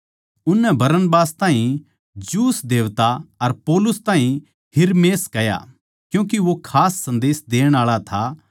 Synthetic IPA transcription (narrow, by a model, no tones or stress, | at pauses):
ʊnːɛbɐɾənbaːst̪ãːɦĩ | d͡ʒuːsd̪eːʋt̪aɐɾpɔːlʊst̪ãːɦĩ | ɦɪɾmeːskɐja̰ | kjũːk̬iʋokʰaːsːɐ̃nd̪eːsd̪eːəɽ̃aːɭat̪ʰa